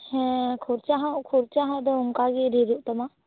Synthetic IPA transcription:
hɛkʰuɾt͡ʃaɦãʔkʰuɾt͡ʃaɦãd̪ɔuŋkaɡiɾiɾuʔt̪ama

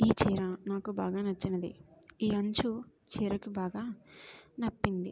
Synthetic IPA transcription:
iːt͡ʃiːɾɐnaːkubaːɡaːnɐt͡ʃːɐnɐd̪ḭiːɐɲt͡ʃu | t͡ʃiːɾɐkibaːɡaːnɐpːind̪ḭ

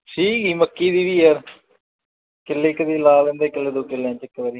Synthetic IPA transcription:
ʈʰiːkiːməkːiːd̪iːʋiːɦəɾ | kɪlːeːkəd̪iːlaːlẽnd̪eːkɪlːeːd̪oːkɪlːãːt͡ʃɪkːʋəɾi

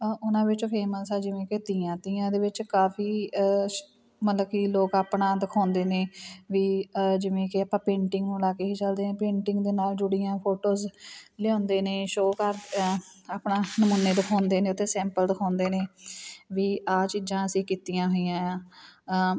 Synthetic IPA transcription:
ʊnãːʋɪt͡ʃopʰeːməsɛːd͡ʒɪʋẽːket̪ɪːãːt̪ɪjãːd̪eːʋɪt͡ʃkaːpʰiː | mət̪ləbkiːloːkaːpnãːd̪əkʰaːnd̪eːneːʋiːd͡ʒɪʋẽːkɪaːpãːpẽːɳʈɪŋɡnũːlaːkeːɦiːt͡ʃəld̪eːnẽːpẽːɳʈɪŋɡd̪eːnaːld͡ʒʊɽɪjãːpʰoːʈoːzlɪjõːnd̪eːneːʃoːkəɾ | aːpɳãːnəmʊnːeːd̪əkʰaːnd̪eːneːt̪ʰːeːsɛ̃ːmpəld̪əkʰaːnd̪eːneːʋiːaːt͡ʃiːd͡ʒãːəsĩːkiːt̪ijãːɦoːijãːãː

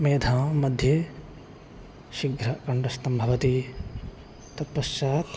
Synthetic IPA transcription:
meːd̪ʱãːmɐd̪ʱje | ʃiɡʱɾɐkɐɳɖɐst̪ɐmbʱɐʋɐt̪i | t̪ɐpːɐst͡ʃaːt̪

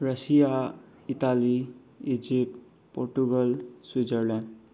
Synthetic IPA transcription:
ɾʌsija | it̪ali | id͡ʒip | pːoɾʈuɡəlsid͡ʒəɾlɛ̃

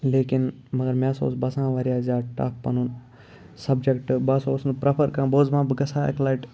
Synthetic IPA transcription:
leːkin | mɐɡɐɾmãːso̰ːsbɐsãːʋɐɾijaːzʲaːʈɐ̰fpɐnun | sɐbd͡ʒekʈbɐsoːsnpɾɐpʰɐɾkãːboːzmãːbɨɡɐsaːɐ̰klaːjʈ

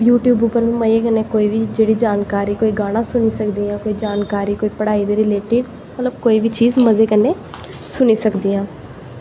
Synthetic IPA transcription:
juːʈjuːbupəɾmĩːməjekəneːkoːiːʋʱid͡ʒeːɽiːd͡ʒaːnkaːɾiːkoːiɡaːñãːsʊniːsəkd̪iːãːkoːid͡ʒaːnkaːɾiːkoːiːpəɽaːiːd̪eɾɪleːʈɪɖ | mət̪ləbkoːiːbʱiːt͡ʃiːzməzeːkənːeː | sʊniːsəkd̪iːãː

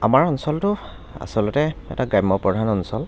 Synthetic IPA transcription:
amaɹɔnsɔltʊ | a̰sɔlʊtɛɛ̰taɡajmːɔpɹɔdʱanɔnsɔl

